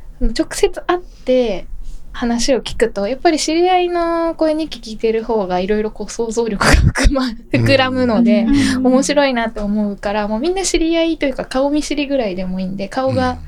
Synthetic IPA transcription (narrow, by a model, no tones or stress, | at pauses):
sonot͡ɕo̞kɯ̟̥se̞t͡sɨ̥ʔat̪ːe̞ | hanaɕio̞kʲi̥kɯ̟t̪o̞japːaɾʲiɕiɾʲiaino̞ko̞eɲ̟ikʲi̥kʲiːt̪e̞ɾɯ̟ho̞ːɡaiɾo̞iɾo̞ko̞ːso̞ːzo̞ːɾʲo̞kɯ̟ɡaɸɯ̥kɯmaɸɯ̟kɯ̟ɾamɯ̟no̞d̪e̞o̞mo̞ɕiɾo̞inat̪ːe̞omo̞ɯ̟kaɾamo̞ːmʲĩnːaɕiɾʲiait̪o̞jɯ̟kakao̞mʲiɕiɾʲiɡɯ̟ɾaid̪e̞mo̞iːnd̪e̞kao̞ɡa